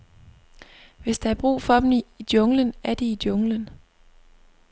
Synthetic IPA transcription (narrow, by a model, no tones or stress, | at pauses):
ʋe̝sd̥ɑæɐb̥ʁṵːfɒ̽d̥m̩iid̥jɔ̽ŋlənæɐd̥iid̥jɔ̽ŋlən